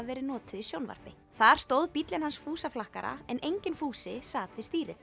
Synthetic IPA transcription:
vɛːɾɪnɔːt̪ɪðisjownva̰ɾ̥pɪ | θaɾ̥st̪owðpit̪lɪnhansfuːsaflahkaɾa̰ɛnejɲcɪnfuːsɪsaːt̪vɪðst̪iːɾɪ̥

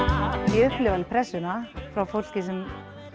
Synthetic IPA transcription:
iʏhplɪvalpʰɾɛsːʏnafɾawfowl̥cɪsɛm

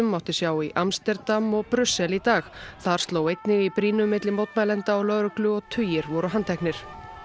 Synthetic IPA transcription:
ʏmːawht̪ɪ̥sjaːwiʔamst̪ɛɾt̪amːɔɣpɾʏsːɛlit̪aːxθaɾ̥st̪loːwejt̪nɪɣipɾiːnʏmːɪt̪lɪmowt̪malɛnt̪aɔlœːɾʏklʏɔt̪ʰʏːjɪɾvɔɾʏɦant̪ʰɛhknɪɾ̥

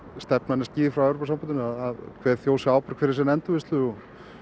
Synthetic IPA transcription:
st̪ɛpnanːasciːðɪfɾawɛwɾopasampnt̪ɪnɪaðaðkʰvɛːðθjoːwsɪaːwpɪɾ̥kʰvɪɾɪsɛnɛnt̪ʏvɪst̪lʏɔ

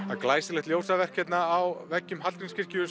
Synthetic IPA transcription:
aklaːjsɪlɛxt̪ljowrsavɛr̥kʰːɛt̪naːwvɛcːʏmɦat̪kɾɪnscɪr̥cɪʏ

